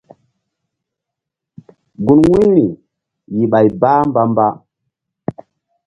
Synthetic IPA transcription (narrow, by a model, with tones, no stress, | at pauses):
ɡu˨nwi˦ni˨ | ji˨ɓa˨jba˦mba˦mba˦